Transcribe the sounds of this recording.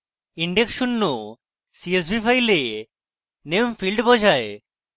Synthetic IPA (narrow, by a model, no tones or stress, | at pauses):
iɳɖeksunːo | sies̬bifʰajle | nemfilɖbɔd͡ʒʱae